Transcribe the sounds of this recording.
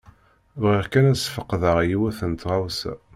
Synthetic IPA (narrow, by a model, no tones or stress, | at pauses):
vʁiʁkænæsfəqːðəʁjiwæθənt̪ʁawsæ̰